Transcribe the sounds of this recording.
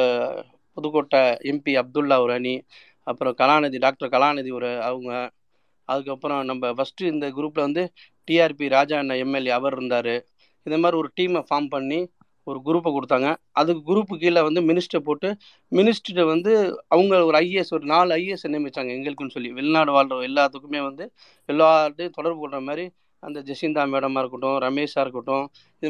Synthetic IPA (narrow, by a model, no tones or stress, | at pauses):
pɔðɯkoːʈːaɛmpiɐb̚d̪ɯlːaːɔɾɐni | ɐpːɯɾɔ̃kɐlaːnɐðiɖaːk̚ʈɐɾkɐlaːnɐðiɔɾɯɐʋɯŋɡɐ | ɐðɯkːɐpːɯɾɔ̃nɐmbɐfɐsʈɾɯɪnd̪ɐɡʊɾuːp̬ːɪlɐʋɐnd̪ɯ | ʈiaːɾpiɾaːd͡ʒaːnɐɛmːɛliɐʋɐɾɪɾɯnd̪aːɾɯ | ɪnd̪ɐmaːd̪ɾiɔɾɯʈiːmfaːɾmpɐɳːi | ɔɾɯɡʊɾuːp̬ːɐkɔɽɯt̪ːaːŋɡɐ | ɐðɯkːɯɡʊɾuːpːɯk̬ːiːlːɐʋɐnd̪ɯmɪnɪsʈɾɐpoːʈːɯ | mɪnɪsʈɾʋɐnd̪ɯɐʋɐŋɡɐɭɔɾɯɐjesɔɾɯnaːɭɐɪesɛnɐmɪt͡ʃːaːŋɡɐɛŋɡɐɭɯkːɯnːɯsɔlːiʋɪlnaːɽɯʋaːlɐɛlːaːt̪ːɯkːɯmeːʋɐnd̪ɯ | ɛlːaːʈːɯt̪ɔɽɐɾbɯkɔɽɾɐmaːd̪ɾi | ɐnd̪ɐd͡ʒɛsɪnd̪aːmeːɽɐmaːɪɾɯkːɐʈːʊ̃ɾɐmeːsaːɾɯkːɐʈːʊ̃ | ɪ